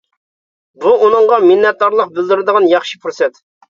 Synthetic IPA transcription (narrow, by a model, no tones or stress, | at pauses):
buunɨŋʁɑminːɛt̪̚d̪ɑɾlˠəq̚bɪld̪yɾɪd̪əʁɑnjɑχʃipɾosɛt̪